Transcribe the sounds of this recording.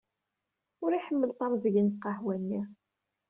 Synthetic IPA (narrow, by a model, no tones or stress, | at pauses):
ʊɾiħəmːəlt̪ˤɑɾˤzəʝənqːɑhwænːi